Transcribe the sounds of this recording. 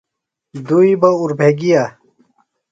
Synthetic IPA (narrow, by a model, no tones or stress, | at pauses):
d̪uibɐuɾbʱeɡija